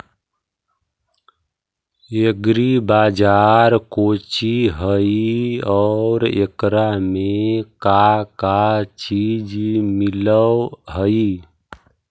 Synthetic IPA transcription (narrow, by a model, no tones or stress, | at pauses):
eɡɾibad͡ʒaɾkot͡ʃiɦəiɔɾḛkɾamekakat͡ʃid͡ʒmiləɦəi